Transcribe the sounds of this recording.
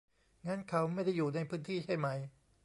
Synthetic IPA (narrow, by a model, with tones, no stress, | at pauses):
ŋaː˦˥nkʰa˦˥wma˥˩jda˥˩jːuː˨˩na˧jpʰɯː˦˥nt̪ʰiː˥˩t͡ɕʰa˥˩jma˦˥j